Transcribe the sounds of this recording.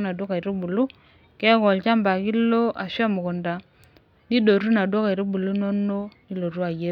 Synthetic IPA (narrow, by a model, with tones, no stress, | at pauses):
na˨dwɔ˦ka˨i˨ɾi˦bu˨lu˦ | kɛ˦kɔ˨lt͡ʃa˦mba˨ki˦lo˦ʔa˨ʃa˦mʊ˨ko˨nda˨ | ni˦do˨ɾu˦na˨do˦ka˨i˨ɾi˦bu˨lu˦no˦no˦ni˦lo˨ɾu˦a˨je˦